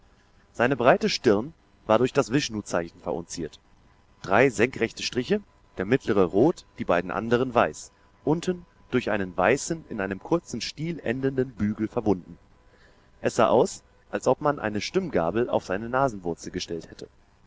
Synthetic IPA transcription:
z̥aɪnəbʁaɪtəʃtɪɐn | vaːɐɾʊɐçd̥asv̥ɪʃnuːt͡saɪçn̩fɛɐʔʊ̰nt͡siːɐt | d̥ʁaɪzɛŋkʁɛçtəʃtʁ̥ɪçə | d̥eːɐmɪtʰləʁ̞əʁoːtd̥iːbaɪdn̩ʔa̰ndəʁ̞ənvaɪs | ʔʊntʰn̩ | d̥ʊɐçʔaɪnənvaɪsn̩ɪ̰nʔaɪnəmkʰʊɐt͡sn̩ʃtiːlʔɛ̰ndəndənbyːɡl̩fɛɐbʊndn̩ | ʔɛsz̥a̰ːʔaʊs | ʔalsʔɔpmanʔa̰ɪnəʃtʏmɡa̰ːbl̩a̰ʊfz̥aɪnənaːzn̩vʊɐt͡sl̩ɡəʃtɛlthɛtʰə

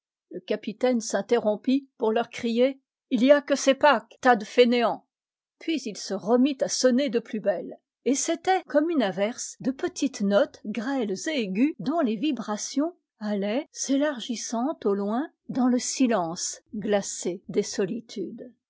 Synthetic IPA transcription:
ləkapit̪ɛnsɛ̃t̪eʁɔ̃pipuʁlœʁkχije | ilijakəsepakt̪ad̪əfeneɑ̃ | pɥizilsəʁəmit̪asɔned̪əplybɛl | eset̪ɛkɔmynavɛʁsd̪əpət̪ʰit̪nɔt̪ɡʁɛlzeːɡʲyd̪ɔ̃levibʁasjɔ̃ | alɛselaʁʒisɑ̃t̪olwɛ̃ | d̪ɑ̃ləsilɑ̃sɡlased̪esɔlit̪ʰyd̪

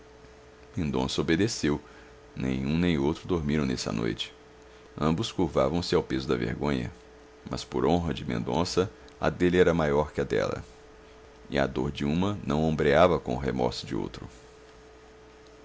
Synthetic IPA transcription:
mẽnd̪õ̰sɐobed̪esew | nẽj̃ũnẽj̃owt̪ɾʊd̪oɾmiɾɐ̃w̃nɛsɐ̰no̰jt͡ʃɪ̥ | ɐ̃mbʊskuɾvavɐ̃w̃sɪawpezʊd̪ɐvḛɾɡõɲɐ̰ | mʔɐ̰spoɾõɦɐd͡ʒɪmḛ̃nd̪õsɐ | ɐ̰d̪elɛɾɐmajɔɾkɪɐd̪ɛ̰lɐ̰ | ɪɐ̰d̪oɾd͡ʒɪũmɐnɐ̃w̃õmbɾeavɐkõʊɦemɔ̰ɾsʊd͡ʒɪo̰wt̪ɾʊ

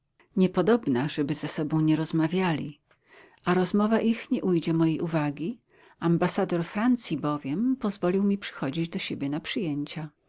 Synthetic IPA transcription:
ɲɛpɔd̪ɔbnaʐɛbɘzɛsɔbɔ̃w̃ɲɛɾɔzmavʲjalʲḭ | aɾɔzmɔvaʔixɲɛʔujd͡ʑɛmɔjejʔuvaɡʲi | ambasad̪ɔɾfɾant̪sʲibɔvʲjɛmpɔzvɔlʲiwmʲipʂɘ̥xɔd͡ʑid͡ʑd̪ɔɕebʲjɛnapʂɘjeɲt͡ɕa

